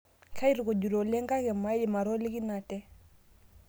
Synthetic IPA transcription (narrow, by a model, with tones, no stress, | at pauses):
kʰa˦i˦ɾu˨ko˨ɟu˨ɾo˨lɛ˦ŋɡa˦kɛ˨ma˦ɛ˨ma˨ɾo˦li˦ki˦na˨tɛ˦